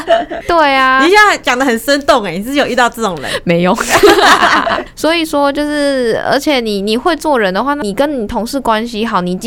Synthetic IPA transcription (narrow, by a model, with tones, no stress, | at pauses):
t̪we˥˩ɪa˩ni˨˩ɕɛ˥˩na˥˧˩t͡ɕjɑ˨˩ŋd̪ə˦xə˨˩nʂə˥nt̪ʊ˥˩ŋe˨˩ni˨˩ʂɻ̩˥˩jo˨˩˦y˥˧t̪ɑ˥˧ʊt͡sə˥˩ʊ˨˩ŋɻə̰˧˦me˧˥ɪjʊ˥˩˦ŋ | swɔ˧˥i˨˩ʂwɔ˥t͡ɕjo˥˧ʊʂɻ̩˥˩ə̰˞˧˥t͡ɕʰjɛ˨˩ni˨˩ni˨˩xwe˥˧ɪt͡swɔ˥˩ɻə˧˦nd̪ə˧xwa˥˧na˥˨i˨˩kə˦˥nni˨˩t̪ʰʊ˧˥ŋʂɻ̩˥˩kwa˦˥nɕi˦xɑ˨˩˦ʊni˨˩t͡ɕ